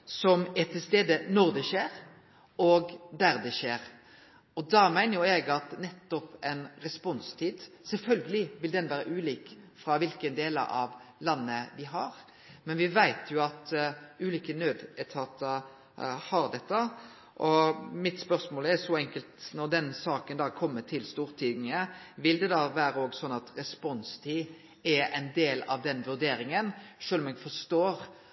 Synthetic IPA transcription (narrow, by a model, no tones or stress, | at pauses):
sɔmɛt̪ʰːɪlst̪eːd̪ənɔɾd̪ɛʃeːɾ | ɔɡd̪æɾd̪ɛʃeːɾ | ɔd̪ɑmæɪnəɾjʊɛɡɑt̪nɛt̪ːɔpɛnɾɛspɔnst̪ʰiːd̪ | sɛlfœlɡəlɪʋɪld̪ɛnʋæːɾə̰ʔʉːliːkfɾɑʋɪlkənd̪eːlə̰ɑ̰ʋlɑnːəd̪ɪɦɑɾ | mɛnʋɪʋæɪt̪ʰjʊɑt̪ʉːliːkənøːd̪ɛt̪ʰɑːt̪ə | hɑɾd̪ɛt̪ːə | ʔɔmɪt̪spœɾsmoːlæsɔɛŋkəlt̪nɔɾd̪ɛnsɑːkənd̪ɑːkʰɔmːət̪ʰɪlst̪uːʁt̪ʰiːd̪nɪŋəʋɪld̪ɛd̪ɑːʋæːɾəoːɡsɔnːɑt̪ɾɛspɔnst̪ʰiː | ɛæɪnd̪eːlɑ̰ʋd̪ɛnʋʉɾd̪eːɾɪŋənʂøːlɔmɛɡfɔʂt̪oːɾ